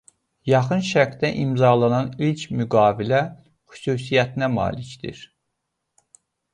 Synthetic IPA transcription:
jɑχɯnʃækd̪æʔimzɑlˠɑnɑnilcʰmyɡɑːvilæ | xy̥suːs̬ijæt̪ʰinæmɑ̰ːlicd̪ḭɾ

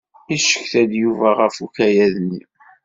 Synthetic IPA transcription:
iʃə̥çθæd̪juvæʁəfukæjæðənːi

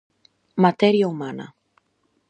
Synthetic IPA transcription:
mat̪eɾiaumana̰

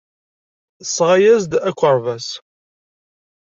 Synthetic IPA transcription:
sʁajæzd̪ækʷːəɾˤvæs

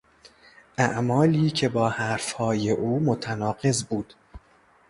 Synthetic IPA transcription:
ʔæʔmɒːliːcʰe̞bɒːhæɾfhɒːje̞ʔuːmot̪ʰænɒːɢe̞zbuːd̪̥

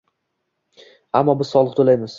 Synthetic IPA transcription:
amːɒbɪz̥sɒlˠɨq̚t̪ʰolajmɪz̥

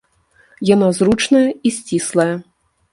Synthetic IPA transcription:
janazrut͡ʂnɐjɐisʲt͡sʲislˠɐjɐ

